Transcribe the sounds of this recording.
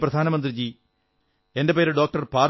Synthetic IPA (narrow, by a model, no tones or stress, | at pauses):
pɾɐd̪ʱaːnɐmɐnd̪ɾid͡ʑi | endɐpeːɾɖoːk̚ʈɐɾpaːɾ